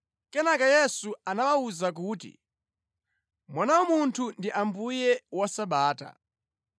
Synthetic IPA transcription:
kɛnakajɛsuanawauzak̬uːtḭ | mwanawɔmuntʰundiʔambujɛwasaɓaːta̰

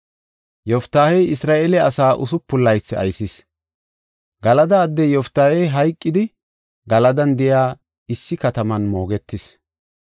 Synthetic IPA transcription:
jɔft̪ːaːhɛjɪsɾaːʔelɛɐsaːʔʊsʊpːʊlːɐjt͡sːɪɐ̰jsɪs | ɡɐlɐd̪ɐːd̪ːɛjɔft̪ːaːhɛjɦɐjkʼːɪd̪ɪ | ɡɐlɐd̪ɐnd̪ɪjaː | ɪsːɪkɐt̪ɐmɐnmo̞ːɡɛt̪ːɪs

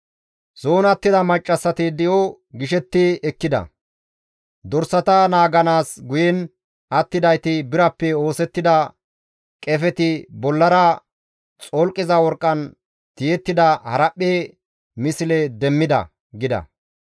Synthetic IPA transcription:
soːnɐt̪ːɪd̪ɐmɐt͡ʃʼːɐsːɐt̪ɪd̪ɪjo | ɡɪʃɛt̪ːɪɛkːɪd̪ɐ̰ | d̪ɔɾsɐt̪ɐnaːɡɐnaːsɡʊjɛn | ɐt̪ːɪd̪ɐjt̪ɪbɪɾɐpːɛo̞ːsɛt̪ːɪd̪ɐ | kʼɛfɛt̪ɪbɔlːɐɾɐ | t͡sʼolkʼːɪzɐwɔɾkʼːɐn | t̪ɪjɛt̪ːɪd̪ɐhɐɾɐpʼːeː | mɪsɪlɛd̪ɛmːɪd̪ɐ̰ | ɡɪd̪ɐ̰

